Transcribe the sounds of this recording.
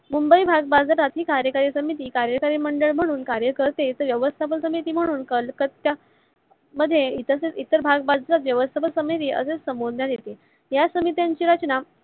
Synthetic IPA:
mumbəibʱaɡ̚bad͡zɾat̪ɦiːkaɾjəkaɾisəmit̪iːkaɾjəkaɾiːməɳɖəɭm̤əɽ̃uːnkaɾjəkəɾt̪et̪əɾʋjəʋəst̪ʰapəlsəmit̪iːm̤əɽ̃uːnkəlkət̪ja | məd̪ʱːjeit̪əseit̪əɾbʱaɡ̚bad͡zɾat̪ʋjəʋəst̪ʰapəlsəməjt̪iːʔə̰sesəmbod̪njad̪et̪e | jasəmit̪jaɲt͡ɕiːɾat͡ɕna

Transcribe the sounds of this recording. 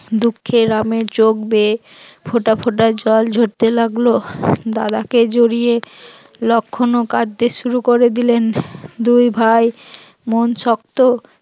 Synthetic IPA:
d̪ukʰːeɾameɾt͡ɕok̚be | fʰoʈafʰoʈaɾd͡ʑɔld͡ʑʱoʈ̚t̪elaɡlod̪ad̪aked͡ʑoɾije | lɔkʰːonokad̪ːeʃuɾukoɾed̪ilend̪ujbʱaj | monʃɔkt̪o

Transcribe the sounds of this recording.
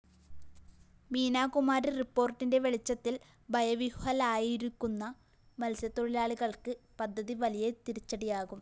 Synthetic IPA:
miːnaːkumaːɾiripːo̞ːrʈːinde̞ʋe̞ɭit͡ɕːɐt̪ːil | bʱɐjɐʋihhɐlaːjiɾikːunːɐ | mɐlsjɐt̪ːo̞ɭilaːɭiɣɐɭkɨpɐd̪ʱːɐðiʋɐlijet̪iɾit͡ɕːɐɽijaːɣum

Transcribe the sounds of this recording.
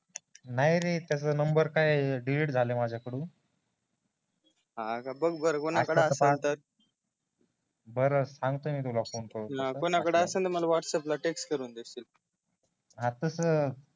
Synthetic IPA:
naɦjɾet̪jat͡səːnəmbəɾkajɖileʈd͡zʱalemad͡ʑʱakəɽũːn | ɦãkabəɡbəɾəkonaakəɽeəəat̪əɾ | bəɾəsãŋɡt̪oːmiːt̪ulafonkəɾutaaəkonakəɽeəsənt̪əɾməlaʋaʈseplaʈeksʈkəɾuːnd̪est̪il | ɦãt̪əsə

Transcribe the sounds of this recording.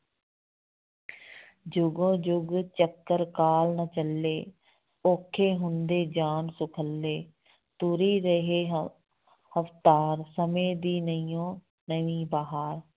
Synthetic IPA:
d͡ʒʊɡõːd͡ʒʊɡt͡ʃəkːəɾkaːlnət͡ʃəlːeː | oːkʰːeːɦʊnd̪eːd͡ʒaːnsʊkʰəlːeː | t̪uːɾiːɾəɦeː | həft̪aːɾsəmẽːd̪iːnəijõː | nəʋiːbaːɦaːɾ

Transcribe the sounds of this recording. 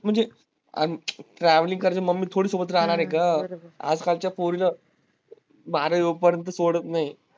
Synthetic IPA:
m̤əɳd͡ze | a̰ʈɾæʋəlĩŋkəɾat͡ɕəməɡmːiːt̪ʰoɽiːsobət̪ɾaɦɽ̃aɾekaa̰d͡zkalt͡ɕjafoɾila | baɾəjoɡ̚pəɾjənt̪̬əsoɽət̪naɦi

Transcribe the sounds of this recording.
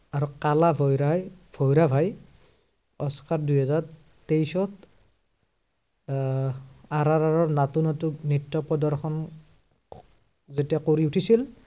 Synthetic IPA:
aɹukalabʱɔjɹajbʱɔjɹabʱaj | ɔskaɹdujɦɛzaɹ | tejsɔt | aɾaɹaɹɔɹnatunɔtunitːɔpɔdɔɹxʰɔn | zetijakoɹiutʰisil

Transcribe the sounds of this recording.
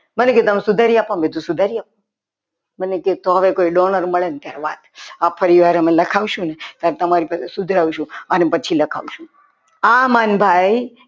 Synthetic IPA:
məneket̪əmesʊd̪ʱaɾiapãmbed̪ʱũsud̪ʱaɾiap̚õ | məneket̪oɦəʋekoiɖonəɾməɭent̪jaɾeʋa̰t̪apfʰəɾiʋaɾɦəmeləkʰaʋʃũnet̪aɾet̪əmaɾipasesud̪ʱɾaʋuʃũənepət͡ʃʰiləkʰa̰ʋuʃũ | amanbʱaj

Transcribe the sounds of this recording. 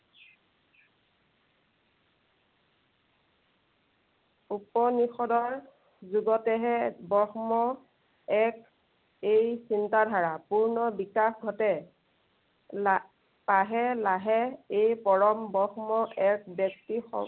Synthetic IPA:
upɔnixɔdɔɹ | zuɡɔtɛɦɛbɔxmɔ | ɛk | ejsintadʱaɹapuɹnɔbikaxɡʱɔtɛ | paɦɛlaɦɛejpɔɹɔmbɔxmɔɛkbjɔktixɔ̰

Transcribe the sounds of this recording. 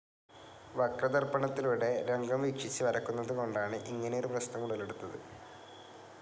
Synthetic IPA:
ʋɐkrɐd̪ɐrbɐɳɐt̪ːiluɽe̞ɾe̞ŋɡɐmʋikʂit͡ɕːɨʋɐɾɐkːunːɐðɨko̞ɳɖaːɳɨʔiŋːɐnejoɾuprɐsnɐmuɽɐleɽut̪ːɐðɨ̰

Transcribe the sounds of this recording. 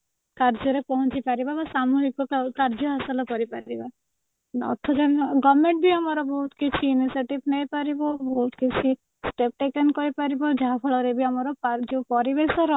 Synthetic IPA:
kaɾd͡ʒɔɾepɔɦũt͡ʃipaɾibabasamuɦikɔkaɾd͡ʒɔɦasɔlɔkɔɾipaɾiba | nɔ̰t̪ʰɔd͡ʒaɡɔmẽɳʈbiamɔɾɔbɔɦut̪kit͡ʃʰiːniseʈibnejpaɾibɔbɔɦut̪kit͡ʃʰi | sʈep̚ʈekenkɔɾipaɾibɔd͡ʒaɦapʰɔɭɔɾebiamɔɾɔpad͡ʒepɔɾibesɔɾɔ

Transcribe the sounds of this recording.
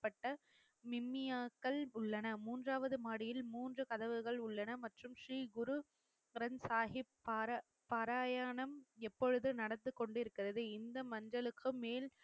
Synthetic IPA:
pːɐʈːɐ | mɪmːɪjaːkːɐɭʊɭːɐnɐmuːndraːʋɐðɯmaːɽɪjɪlmuːndrɯkɐðɐʋɯɣɐɭʊɭːɐnɐmɐʈrɯmʂɾiːɡʊɾu | ɪɾɐnsaːɦɪpːaːɾɐ | pːɐɾaːjaːɳɐmɛpːɔɻɯðɯnɐɽɐt̪ːɯkːɔɳɖɪɾɯkːɪrɐðɯɪnd̪ɐmɐɲd͡ʒɐɭɯkːɯmeːl

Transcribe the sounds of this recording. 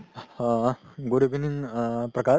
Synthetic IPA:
ɡoɾebʱininpɾɐka

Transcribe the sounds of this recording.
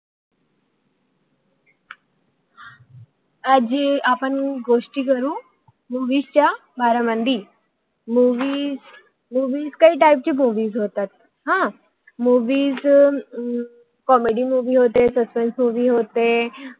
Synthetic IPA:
ad͡ʑeapəɳɡoʂʈikəɾũː | muːʋiːst͡ɕabʱaːɾamənd̪iː | muːʋiːz | muːʋiːzkaiːʈaip̚t͡ɕiːmuːʋiːzɦoːt̪at̪̚ | ɦã | muːʋiːz | kɔmeɖimuːʋiːɦot̪esəspensmuːʋiɦoːt̪e

